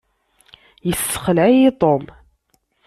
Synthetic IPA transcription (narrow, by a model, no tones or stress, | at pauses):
jəsːə̥χəlʕijɪt̪ˤom